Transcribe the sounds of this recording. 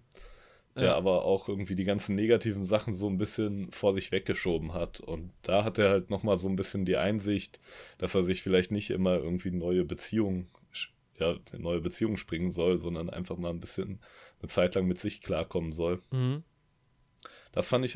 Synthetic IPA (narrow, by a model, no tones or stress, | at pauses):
d̥eːɐʔa̰ːbɐʔa̰ʊxʔɪɐɡŋ̩tv̥iːdiːɡant͡sn̩ːeːɡatʰiːvn̩zaχn̩zoːnbɪsçənfoːɐzɪçv̥ɛk̚ɡ̥əʃoːbm̩ɦatʰʊ̰ntd̥aːɦat̚d̥eːɐhaltnɔχmaːlzoːnbɪsçəndiːʔa̰ɪnzɪçtd̥aseːɐzɪçfɪlaɪçtnɪçtʔɪ̰mɐʔɪ̰ɐɡŋ̩tv̥iːnɔʏəbət͡siːʊŋ | ʃ | jaːnɔʏəbət͡siːʊŋʃpʁ̥ɪŋənzɔlzɔndɐnʔa̰ɪnfaχmaːlnbɪsçənnət͡saɪtlaŋmɪtz̥ɪçkʰl̥aːɐkʰɔmənzɔl | d̥asfandɪç